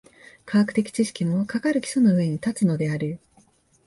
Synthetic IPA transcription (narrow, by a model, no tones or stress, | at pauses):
kʰakɯ̟̥t̪e̞kʲi̥t͡ɕiɕi̥kʲimo̞kakaɾɯ̟kʲi̥sonoɯ̟e̞ɲ̟it̪at͡sɨno̞d̪e̞aɾɯ̟